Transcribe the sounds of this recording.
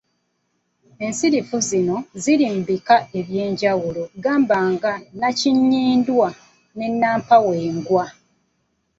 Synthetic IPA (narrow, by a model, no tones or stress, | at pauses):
e̞nsiɾifuzino̞ziɾiːmbikae̞βje̞ːɲɟawulo̞ɡaːmbaːŋɡanaciɲːiːndwa | ne̞nːaːmpaweːŋɡwa